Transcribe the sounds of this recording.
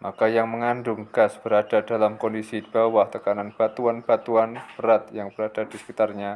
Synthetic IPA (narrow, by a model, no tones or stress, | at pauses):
makajaŋməŋandʊŋɡ̥asb̥əɾadadalamkɔndisib̥awaht̪əkananb̥at̪uanb̥at̪uanbəɾat̪jaŋbəɾad̥adisə̥kit̪arɲa